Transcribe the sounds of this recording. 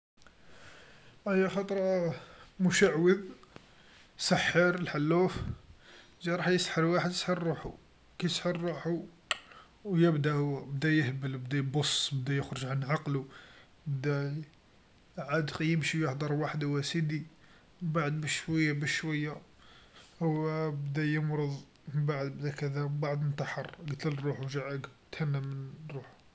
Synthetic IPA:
əjːæxɑt̪ˤɾˤɑ | mʊʃəʕwəðˤ | səħːəɾəlħalːuf | ʒæɾˤɑħjəsħəɾwaħəd̪jə̥sħəɾːuħu | kæjəsħəɾːuħu | wjəbd̪æhwæbd̪æjəhbəlbd̪æjbosˤbd̪æjəxɾəʒʕanʕɑqlu | bd̪æ | ʕad̪qjəmʃijəħd̪ˤɑɾˤwaħd̪awæsid̪i | baʕəd̪bəʃʃwæjːabəʃʃwəjːa | hwbd̪æjəmɾˤəd̪ˤ | məbaʕd̪bd̪ækæd̪æbaʕd̪nt̪ɑħɑrˤɡt̪əlɾˤuħuwʒaʕəɡt̪hænːæmənrˤːuħu̥

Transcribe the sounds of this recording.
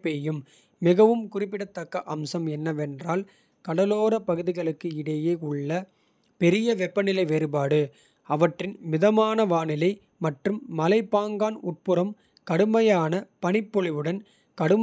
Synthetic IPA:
pːeːjɯmː | ɪɣɐʋɯmkʊrɪp̬ːɪɽɐt̪ːɐkːɐʔɐmsɐmɛnːɐʋɛndraːl | kɐɽɐloːɾɐpɐɣɯðɪɣɐɭɯkːɯɪɽɐjeːʊɭːɐ | pɛɾɪjɐʋɛpːɐnɪlɐɪʋeːɾɯpaːɽɯ | ɐʋɐʈrɪnmɪðɐmaːnɐʋaːnɪlɐɪ | mɐʈrɯmːɐlɐɪpːaːŋɡaːnʊʈ̚pɯɾɐm | kɐɽɯmɐjaːnɐpɐnɪpːɔɭɪʋɯɽɐn | kɐɽɯm

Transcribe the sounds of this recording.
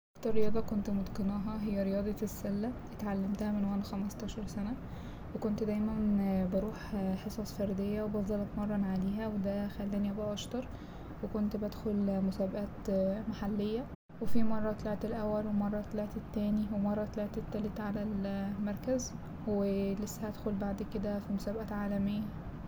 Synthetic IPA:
ʔʔɑkt̪ɑɾˤːejɑːd̪ˤɑkont̪mod̪qenɑːɦɑɦejːæɾejɑːd̪ˤɑsːælːælet̪ʕalːæmt̪æhæmenwæːnxæmɑst̪ˤɑːʃɑɾˤsænæ | wekont̪d̪æjmænbeɾuːħħesˤɑːsˤfæɾˤd̪ejːæwebɑfðˤɑlɑt̪mɑrˤːɑnʕaleːɦæwed̪æxælːæːniʔæbæʔɑʃt̪ɑɾˤ | wekont̪bæd̪xolmosæːbæʔæːt̪maħalːejːæ | wefimɑrˤːɑt̪leʕt̪elʔæwːælwemɑrˤːɑt̪leʕt̪et̪ːæːniwemɑrˤːɑt̪æleʕt̪et̪ːælet̪ʕalælmɑɾˤkæz | welesːæhæd̪xolbaʕd̪ked̪æfimosæːbʔæʕaːlæmejːæ

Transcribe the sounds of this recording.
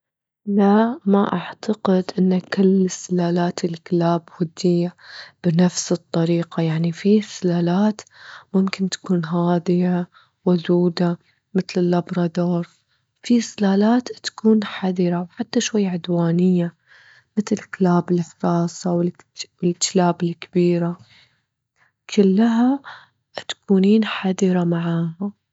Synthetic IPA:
lamaʔaʕt̪aqɪd̪ʔɪnːakɪlɪsɪlaːlaːt̪ɪlklaːbhʊd̪ːɪjːab̥ɪnafsɨt̪ˤːɑɾiːqajaʕnifisɪlaːlaːt̪mʊmkɪnt̪ḁkuːnɦaːd̪ɪja | wʊd̪uːd̪a | mɪt̪lɪlːɑbɾˤɑd̪oːɾˤ | fisɪlaːlaːt̪t̪ḁkuːnħad̪ɪɾawħat̪ːaʃwajːaʕʊd̪waːnɪjːa | mɪt̪ɪklaːbɪlfɾˤɑːsˤɑwɪl | wɪltlaːbɪlkabiːɾa | kʰɪlːaɦa | t̪ḁkuːniːnħad̪ɪɾamaʕaːha

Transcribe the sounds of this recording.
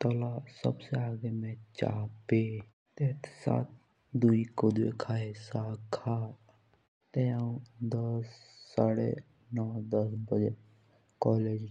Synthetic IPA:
t̪ɔlasə̰bseaːɡemẽt͡ʃa̰ːpe | t̪eːt̪sa̰ːt̪̚ | d̪uikod̪wḛkʰaːesaːkʰaː | t̪eaũd̪əsːaːɽḛ | nɔːd̪əsbəd͡ʒe | kɔːleːd͡ʒ

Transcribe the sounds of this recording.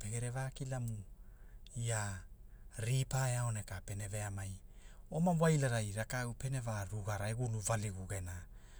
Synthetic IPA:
peɡe̞ɾe̞vaːkilamu | ia | ɾipaeaone̞kape̞ne̞ve̞amaj | omawajlaɾajɾakawpe̞ne̞vaɾuɡaɾaeɡuluvaliɡuɡe̞na

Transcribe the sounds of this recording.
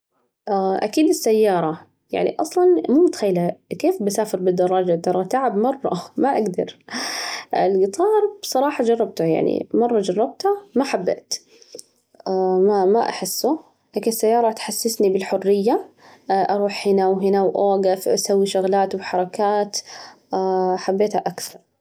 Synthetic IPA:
ʔaʔa̰kiːd̪ɪsːajːɑːɾˤɑ | ja̰ʕnḭʔɑsˤlɑnmuːmʊt̪xajːlakeːfbasaːfɪɾbɪd̪ːɑɾˤːɑːd͡ʒad̪ːɑɾˤːɑt̪aːʕabmɑrˤːɑ̰maʔaɡd̪ɑ̰ɾ | ʔɪlɡɪt̪ˤʰɑːɾˤb̥sˤɑɾˤɑːħɑd͡ʒɑrˤːɑb̚t̪ʊja̰ʕnḭmɑrˤːɑd͡ʒɑrˤːɑb̚t̪ʊmaħabːḛːt̪ | mamaʔa̰ħɪsːʊ | ʔakɪsːajːɑːɾˤɑt̪ħasːɪsnibɪlħʊrːɪjːa | ʔɑɾˤuːħhɪnawɦɪnawʔoːɡafʔasawːiʃʊɣlaːt̪wɪħɑɾˤɑkaːt̪ | ħabːeːt̪haʔakθɑɾˤ

